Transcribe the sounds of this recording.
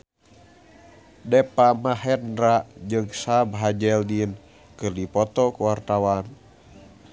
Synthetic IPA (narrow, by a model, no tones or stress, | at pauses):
dɛpamaɦɛndɾaʔd͡ʒɨŋsabɦad͡ʒɛldin | kɨrdipɔt̪ɔkuwart̪awan